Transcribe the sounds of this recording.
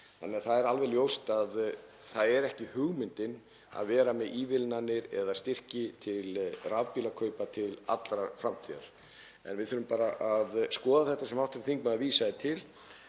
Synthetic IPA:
θa̰nːɪaθaðɛɾalvɛljowst̪að | θaðɛɾɛhcɪhʏɣmɪnt̪ɪn | a̰ðvɛːɾamɛðʔiːvɪlnanːɪɾɛ̰ðaðst̪ɪr̥cɪt̪ʰɪlravpilakʰœɥpat̪ʰɪla̰t̪lɾafɾamt̪ʰiða̰ɾ̥ | ɛ̰nvɪðθʏːɾʏmpaːɾaʔaðskɔːðaθɛht̪ːasɛmawht̪ʏɾθiŋkmaðaviːsaðɪt̪ʰɪl

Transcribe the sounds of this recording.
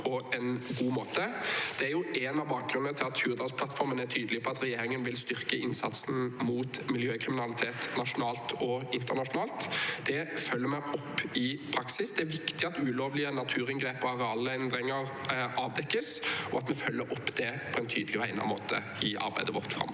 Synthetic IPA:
pʰɔɛnɡuːmoːt̪əd̪̥ɛæɾjʊʔɛnɑʋbɑːk̚ɡʁʉnːət̪ʰɪlɑt̪hʉːʁd̪ɑspʰlɑt̪fɔɾmənæt̪ʰyːd̪əlɪpʰɔɑt̪ʁɛjeːɾɪŋənʋɪlst̪ʏʁkəɪnsɑ̰t̪sn̩muːt̪mɪljøːkʰʁɪmɪnɑlɪt̪ʰeːt̪nɑʂʊnɑːlt̪ʰɔɪnt̪əʁnɑʂʊnɑːlt̪d̪̥ɛfœlːəɾmɛɔpːɪpʰɾɑksɪsd̪ɛæɾʋɪkt̪ɪɑt̪ʉːloːʋlɪənɑt̪ʰʉːʁɪŋɡʁeːpɔɑʁɛɑlːəɛnd̪ɾɪŋəʁʔɑːʋd̪ɛkːəsɔɑt̪mɛfœlːəɾʔɔpːd̪ɛpʰɔɛnt̪ʰyːd̪lɪɔhæɪnɑ̰nmoːt̪ʰə̰ | ɪʔɑ̰ɾbæɪd̪əʋɔʁt̪fʁɑ̰m

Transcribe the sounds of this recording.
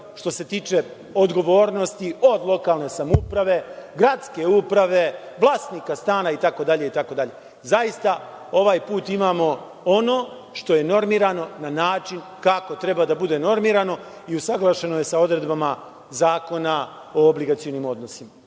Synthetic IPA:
ʃt̪o̞se̞t̪iːt͡ʃe̞ | od̪ɡo̞ʋo̞ːɾno̞st̪io̞d̪lˠo̞kalˠne̞samupɾaʋe̞ɡɾat̪ske̞upɾaʋe̞ | ʋlˠaːsnikast̪aːnait̪ako̞d̪aʎe̞it̪ako̞d̪aʎe̞ | zajist̪a | o̞ʋaːjpuːt̪imaːmo̞ | o̞no̞ː | ʃt̪o̞je̞no̞ɾmiːɾano̞nanaːt͡ʃin | kako̞t̪ɾe̞bad̪abud̪e̞no̞ɾmiːɾano̞ | iusaɡlˠaʃe̞no̞je̞sao̞d̪ɾe̞d̪bama | zaːko̞na | o̞ːbliɡat̪sijo̞nimod̪no̞sima

